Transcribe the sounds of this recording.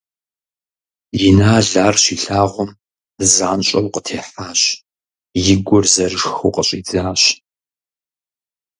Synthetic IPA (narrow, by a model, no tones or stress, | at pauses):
jɪnaːɮaːrʃiːɬaːʁʷɔm | zaːnɕʼɐwqətʰeːħaːɕ | jɪɡʷɔrzɐrɨʂxuːqəɕʼiːd͡zaːɕ